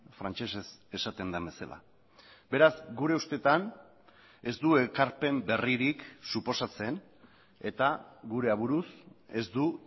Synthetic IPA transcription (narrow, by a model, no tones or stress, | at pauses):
fɾant͡ʃe̞se̞se̞sat̪e̞nd̪ambe̞sala̰ | be̞ɾazɡuɾe̞ust̪e̞t̪an | e̞zd̪ue̞kaɾpe̞mbe̞riɾiksupo̞sat͡se̞n | e̞t̪aɣuɾe̞aβuɾuse̞zd̪u